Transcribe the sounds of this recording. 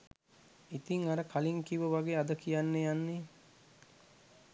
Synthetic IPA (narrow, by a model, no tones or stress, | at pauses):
it̪iŋaɾəkʰaliŋkiʋəʋaɡeːad̪əkijanːejanːe